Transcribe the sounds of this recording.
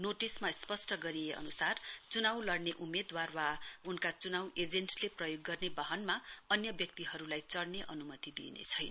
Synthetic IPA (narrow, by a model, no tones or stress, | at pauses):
noʈismaspʌsʈʌɡʌɾieʔʌ̰nusart͡sunawlʌɽneʔumed̪warwaunkat͡sunawed͡zensleprʌjoɡːʌrnebaɦʌnmaʌnjʌbjʌk̚t̪iɦʌɾulajt͡sʌɽneʔʌnumʌt̪id̪ḭnḛt͡sʰʌjna